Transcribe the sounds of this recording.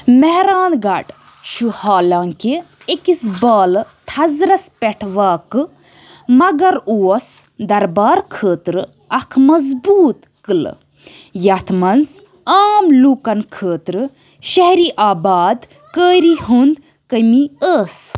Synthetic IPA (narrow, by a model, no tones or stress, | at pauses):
mɛɦɾaːnɡɐɖ | ʃuhaːlaːŋke | ekisbaːlt̪ʰɐzɾɐspɛʈʰʋaːkɨ | mɐɡɐɾuːɐs | d̪ɐɾbaːɾkʰəːt̪ɾɨ | ɐkʰmɐzbuːt̪ | kɨl̰ | jɐt̪ʰmɐnz | aːmluːkɐnkʰəːt̪ɾɨ | ʃɐɦɾiːʔaːbaːd̪ | kəːɾihund̪ | kəmiəːs